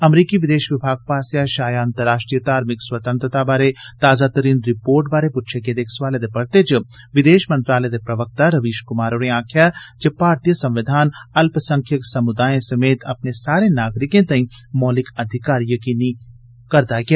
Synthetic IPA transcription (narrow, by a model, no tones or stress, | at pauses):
ɐmɾiːkiʋɪd̪eːʃʋɪbʱaːɡ̚paːsjaʃaːjaɐ̃nt̪əɾːaːʃʈɾijət̪aːɾmɪkswɐt̪ə̃nt̪ɾət̪abaːɾet̪aːzat̪ɐɾiːnɾɪpoːɾʈbaːɾepʊtːt͡ʃʰeked̪eːkʰsʋaːled̪epɐɾt̪ed͡ʒʋɪd̪eːʃmɐ̃nt̪ɾaːled̪epɾɐʋək̚t̪aɾɐʋiːʃkʊmaːɾoːɾẽaːkʰjad͡ʒepaːɾt̪ijəsɐ̃mʋɪd̪ʱaːnɐlpsɐ̃ŋkʰjəksɐmʊd̪aːjẽsɐmeːt̪ɐpnesaːɾenaːɡɾɪkẽt̪ɐ̃ĩmɔːlɪkɐd̪ʱɪkaːɾjɐkiːni | kɐɾd̪aːɡa